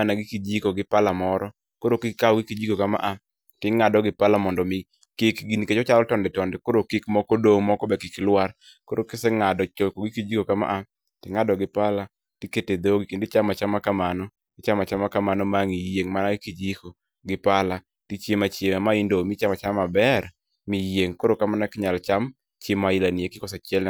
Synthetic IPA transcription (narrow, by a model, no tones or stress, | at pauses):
anaɡɪkid͡ʒikoɡɪpalamɔɾɔ | koɾokɪaɔɡɪkid͡ʒikokama̰ʔa | tɪŋadɔɡɪpalamɔndɔmɪ | kikɡiniket͡ʃɔt͡ʃalɔtɔndɛtɔndɛkoɾokikmɔkɔdoŋmɔkɔbɛkɪkɪlwar | koɾokɪsɛŋadɔt͡ʃokoɡɪkid͡ʒikokama̰ʔa | tɪŋadɔɡɪpala | tiketed̪oɡikindɪt͡ʃamat͡ʃamːakamanɔ | ɡɪt͡ʃamat͡ʃamːakamanɔmaŋijeŋmanaɡkid͡ʒiko | ɡɪpala | tit͡ʃjemat͡ʃjemamaɪndomɪt͡ʃamat͡ʃamabɛr | mijeŋkoɾokamanakɪɲalt͡ʃam | t͡ʃjemaɪlaniekɪkɔsat͡ʃɛl